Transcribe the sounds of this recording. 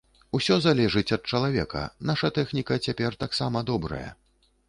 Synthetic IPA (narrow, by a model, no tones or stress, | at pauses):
usʲɔzalʲɛʐɨt͡sʲɐt̪̚t͡ʂɐlˠavʲɛkɐ̰naʂɐt̪ɛxnʲikɐt͡sʲapʲɛrt̪aksamɐd̪ɔbɾɐ̰jɐ̰